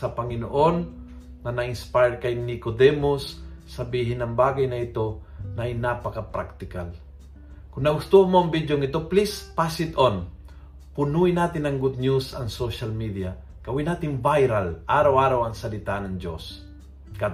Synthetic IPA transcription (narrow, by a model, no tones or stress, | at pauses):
sɐpɐŋɪnoʔonː | ɐnɐʔɪnspajkajnɪkod̪ɛmosːɐbiːɦɪnɐŋbaːɡɐjnɐɪt̪o̞nɐjnapɐkɐpɾa̰k̚t̪ɪka̰l | kʊnnɐɡʊst̪uʔamoɐŋbid̪joŋɪt̪o̞plispasɪt̪on | pʊnuɪnaːt̪ɪnɐŋɡʊd̪̚njusɐ̰ŋsoʃalmid̪ia | kɐwɪnaːt̪ɪŋvajɾalʔaːɾawʔaːɾawɐŋsɐlɪt̪aʔnɐŋd͡ʒo̰s | ka